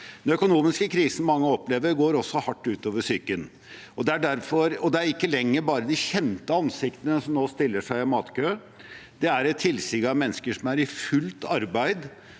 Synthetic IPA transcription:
d̪ɛnœkʊnuːmɪskəkʰɾiːsn̩mɑŋːəɔpleːʋəɾɡoːɾɔsːɔhɑʈːʉːt̪oːʋəʂyːkən | ɔd̪ɛæɖæɾfɔɾɔd̪ɛæɾɪkːəlɛŋːəbɑːɾəd̪ɪçɛnt̪əɑnsɪkt̪ənəsɔmnoːst̪ɪlːəʂæɪɪmɑːt̪kʰøː | d̪ɛæɾɛt̪ʰːɪlsɪɡɑmɛnːəskəʂɔmæɾɪfʉlt̪ʰɑɾbæɪd̪

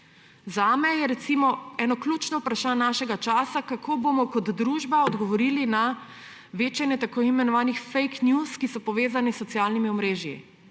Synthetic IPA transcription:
zaːmɛjɛɾɛt̪simɔɛːnɔklʲut͡ʃnɔwpɾaʃaːnːaːʃɛɡat͡ʃaːsakakʰobomɔkɔd̪d̪ɾuːʒbaɔd̪ɡɔʋɔɾiːlina | ʋeːt͡ʃɛnjɛt̪akoimɛnɔʋaːnixfejknjuskisɔpɔʋeːzanisːɔt̪sjaːlnimiɔmɾeːʒjḭ

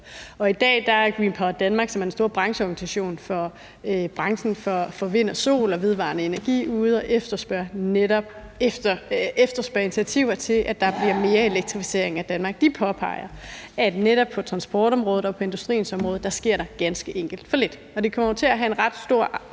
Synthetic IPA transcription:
ɒ̽id̥ɛ̰ːd̥ɑ̈æɐɡ̥ʁiːnpʰɒd̥ænmɑ̈ːɡ̥sɒmæɐdensdo̝ːɐ̰b̥ʁɑ̈ŋɕəɒɡ̥n̩isæɕo̝̰ːnfɒ | b̥ʁɑ̈ŋsn̩fɒfɒʋe̝n̰ɐso̝̰ːlɒ̽ʋe̝ð̞ˠʋɑ̰̈nəe̝næɐɡ̥ḭːuːð̞̩ˠɒ̽ʔefd̥ɐsb̥ɶɐ̰neɾɒb̥ | ɐefd̥ɐsb̥ɶɐinit͡sʰiæt͡sʰiʊ̰ɐt͡sʰe̝lʔæd̥ɑ̈b̥liɐ̰me̝ːɐe̝leɡ̥̚t͡sʰʁifi̥se̝ɐe̝ŋæd̥ænmɑ̈ːɡ̥̚d̥ipʰɒ̽pʰɑ̈ɪ̰ɐʔæd̥neɾɒ̽b̥̚pʰɒ̽t͡sʰʁɑ̈nsb̥ɒ̰ːd̥ɒ̽mʁɔ̽ːð̩ˠɒ̽pʰɒ̽e̝nd̥usd̥ʁḭːn̩sɒ̽mʁɔð̞̩ˠd̥ɑ̈sɡ̥e̝ɐ̰ɾ̥ɑ̈ɡ̥ænsɡ̥əʔeŋ̰ɡ̥ld̥fɒ̽le̝d̥ | ɒ̽d̥e̝kʰɒ̽mɐot͡sʰe̝læɦæe̝nʁɑ̈d̥sd̥o̝ɐ̰

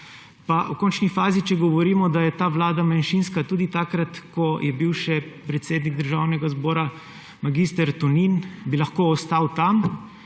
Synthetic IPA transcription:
paʔukɔːnt͡ʃnifaːzit͡ʃɛɡɔʋɔɾiːmɔd̪ajɛt̪aːʋlaːd̪amanʃinskat̪uːd̪it̪akɾat̪kɔjʔɛbiwʃɛpɾɛt̪seːd̪niɡ̚d̪əɾʒawnɛɡazbɔːɾa | maɡist̪ɛɾt̪ɔninbilaxkoːst̪awt̪am

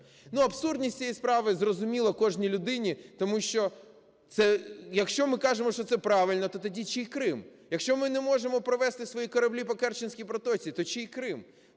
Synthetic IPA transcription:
nuɐbsurd̪ʲnʲisʲt͡sʲijispɾɑʋɪzrɔzʊmʲilˠɐkɔʒnʲilʲʊd̪ɪnʲit̪ɔmuʃt͡ʃɔ | t̪sɛjɐkʃt͡ʃɔmɪkɑʒemɔʃt͡ʃɔt̪sɛpɾɑʋɪlʲnɔt̪ɔt̪ɐdʲit͡ʃeikɾɪmjɐkʃt͡ʃɔmɪnɛmɔʒemɔpɾɔʋɛst̪ɪsʋɔjikɔɾɐblʲipɔkɛrt͡ʃɪnʲsʲkʲijpɾɔt̪ɔt͡sʲit̪ɔt͡ʃeikɾɪm

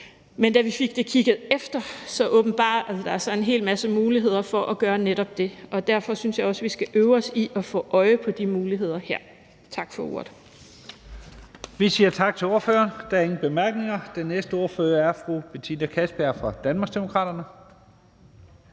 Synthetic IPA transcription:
mend̥æʋife̝ɡ̥̚d̥e̝kʰiɡ̥ð̩ˠefd̥ɐsɒ̽ʔɔ̽ːb̥n̩b̥ɑ̰̈ːð̩ˠd̥ɑ̈æɐsɒ̽e̝nɦe̝̰ːlmæsəmuːliɦe̝ð̞̰ˠɐfɒ̽ʔɒɡ̥ɶːɐneɾ̥ɒ̽b̥̚d̥e̝ʔɒ̽d̥æɐfɒ̽synsjɑ̈ɪɒ̽sʋisɡ̥æʔøʊɒ̽siʔɒ̽fɔ̰ːʔɒ̽ɪəpʰɒ̽d̥imuːliɦe̝ð̞̰ˠɐheɐ̰ | t͡sʰɑ̈ɡ̥fɒ̽o̝̰ɐ̰ðˠ | ʋisiːɐt͡sʰɑ̈ɡ̥̚t͡sʰe̝o̝ːɐfø̰ːɐnd̥æɐe̝ŋn̩b̥e̝mæɐɡ̥ne̝ŋɐd̥enːesd̥əo̝ːɐføːɐæɐfʁub̥et͡sʰinəkʰæsb̥æɐ̰fʁɑ̈d̥ænmɑ̈ɡ̥sd̥emo̝kʰʁɑ̰̈ːd̥ɐnə

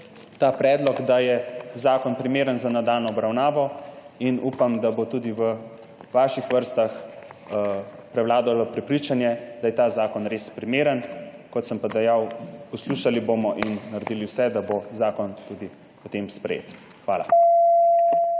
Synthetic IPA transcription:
t̪aːpɾɛːd̪lɔɡd̪ajɛzaːkɔnpɾimeːɾənzanad̪aːlnɔɔbɾawnaːʋɔinupamd̪abot̪uːd̪iʋə | ʋaːʃixʋəɾst̪ax | pɾɛwlaːd̪alʋəpɾɛpɾit͡ʃanjɛd̪ajɛt̪azaːkɔnɾespɾimeːɾənkɔt̪səmpad̪ɛjawpɔsluʃalibomɔʔinːaɾɛd̪iliwsɛd̪abozaːkɔnt̪ud̪i | pɔt̪eːmspɾɛ̰jḛt̪ | xʋaːla̰

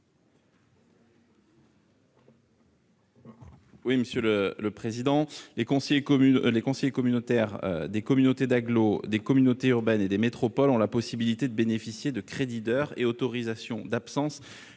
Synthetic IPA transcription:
wiməsjølələpχezid̪ɑ̃lekɔ̃sejeklekɔ̃sejekɔmynot̪ɛʁø̰d̪ekɔmynot̪ed̪aɡlod̪ekɔmynot̪eyʁbɛned̪emet̪χɔpɔlɔ̃lapɔsibilit̪ed̪əbenefisjed̪əkχed̪id̪œʁḛot̪ɔʁizasjɔ̰̃d̪apsɑ̃s

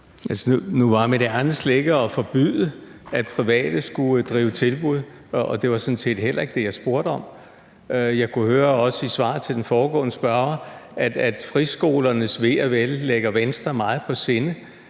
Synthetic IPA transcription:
ʔælsənunuʋɑ̈meɾ̥ean̩sleɡ̥əɒ̽fɒ̽b̥yðˠəæd̥̚pʰʁiʋɛ̰ːd̥əsɡ̥ud̥ʁiːʊət͡sʰe̝lb̥uð̞ˠ | ʔɒd̥e̝ʋɑ̈sɔ̽nsʰe̝̰ːd̥ɦel̰ɐe̝ɡ̥əd̥e̝jɑ̈ɪsb̥o̝ɐɾ̥əɒ̽m | jɑ̈ɪkʰuhøːɐɒ̽səisʋɑ̰̈ðˠt͡sʰe̝ld̥enfɒːɡ̥ɔ̰ːnəsb̥ɶɐɐæd̥æd̥fʁisɡ̥o̝̰ːlɐnəsʋe̝ɐʋelːeɡ̥ɐʋensd̥ʁɐmɑ̈ːð̩ˠpʰɒ̽se̝nə

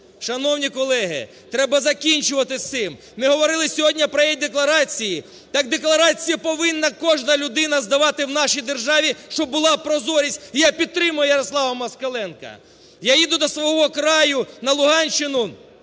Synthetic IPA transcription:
ʃɐnɔwnʲikɔlˠɛɦɪ̰ | t̪ɾɛbɐzɐkʲinʲt͡ʃʊʋɐt̪ɪt̪ɪm | mɪɦɔʋɔɾɪlˠɪsʲɔɦɔdʲnʲɐpɾɔjijd̪eklˠɐɾɑt͡sʲiji | t̪ɑɡ̚d̪eklˠɐɾɑt͡sʲijɐpɔʋɪnːɐkɔʒnɐlʲʊd̪ɪnɐzd̪ɐʋɑt̪ɪwnɑʃijd̪erʒɑʋʲiʃt͡ʃɔbbʊlˠɑpɾɔzɔɾʲisʲtʲijapʲid̪̚t̪ːɾɪmʊjʊjɐɾɔslˠɑʋɐmɐskɐlˠɛnkɐ̰ | jajid̪ʊd̪ɔsʋɔɦɔkɾɑjʊnɐlˠʊɦɑnʲt͡ʃɪnʊ

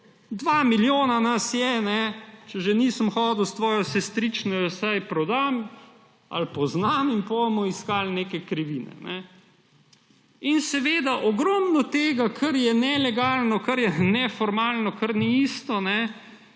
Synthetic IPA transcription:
d̪ʋaːmiljoːnanasjɛnɛt͡ʃɛʒɛniːsəmxɔːd̪uwst̪ʋɔːjɔsɛst̪ɾiːt͡ʃnɔjɔsajpɾɔd̪am | a̰lpɔznaminpomɔiskaːlneːkɛkɾiʋiːnɛ̰nɛ | insɛʋeːd̪aʔɔɡɾɔːmnɔt̪eːɡakʰɐɾjɛnɛlɛɡaːlnɔkɐɾjɛnɛfɔɾmaːlnɔkəɾniiːst̪ɔnɛ

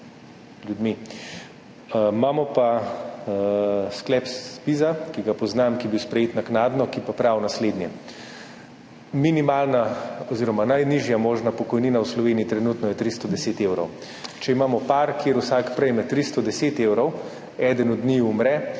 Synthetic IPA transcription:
ljud̪mi | maːmɔpa | sklɛpspizakiɡapɔznamkibiwspɾɛjeːt̪naknaːd̪nɔkipapɾawnasleːd̪njɛ | minimalnaɔziɾɔmanajniʒjamoːʒnapɔkɔjniːnawslɔʋeːniːt̪ɾɛnuːt̪nɔjɛt̪ɾist̪ɔd̪ɛseːt̪ewɾɔw | t͡ʃɛimaːmɔpaɾkjeːɾusakpɾɛjmɛt̪ɾist̪ɔd̪ɛseːt̪ewɾɔw | ɛd̪ənɔd̪niumɾɛ

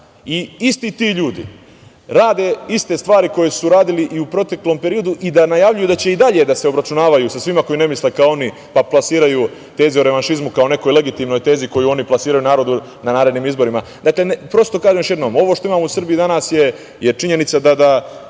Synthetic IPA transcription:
iist̪iːt̪iːʎuːd̪ḭ | ɾaːd̪e̞ist̪e̞st̪ʋaːɾiko̞je̞suɾaːd̪iliʔiupɾot̪e̞klo̞mpe̞ɾijo̞d̪uʔid̪anajaʋʎujud̪at͡ɕe̞id̪aʎe̞d̪ase̞o̞bɾat͡ʃunaːʋajusasʋimako̞jine̞mislekaoo̞ni | paplˠasiːɾaju | t̪e̞ːzioɾe̞ʋanʃizmukao̞ne̞ko̞jle̞ɡit̪imno̞jt̪eːziko̞juo̞niplasiːɾajunaːɾo̞d̪u | nanaːɾe̞d̪niːmizbo̞ɾimad̪akle̞npɾo̞st̪okaːʒemjo̞ʃje̞d̪no̞ːmo̞ʋoːʃt̪o̞imaːmousr̩bijid̪anaːsje | je̞t͡ʃiɲe̞nit̪sad̪ad̪a

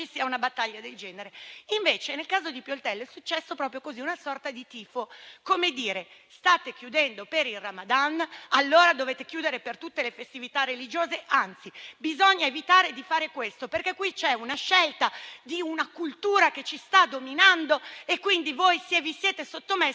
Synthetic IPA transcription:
t͡ʃisiːaunabat̪ːaʎːad̪eld͡ʒɛːneɾeiɱveːt͡ʃenelkaːzod̪ipjolt̪ɛlːɛsut͡ʃːɛsːopɾɔːpɾjokoziunasɔrt̪ad̪it̪iːfokomed̪iːɾest̪aːt̪ekjud̪ɛnd̪opeɾilramad̪analːoːɾad̪oveːt̪ekjuːd̪eɾepert̪ut̪ːelefest̪ivit̪arːelid͡ʒoːzeʔant̪sibizoɲːaevit̪aːɾed̪ifaːɾekwest̪operkekːwit͡ʃɛunaʃːɛlt̪ad̪iunakult̪uːɾaket͡ʃist̪ad̪ominand̪oekːwind̪ivojsevisjeːt̪esot̪ːome

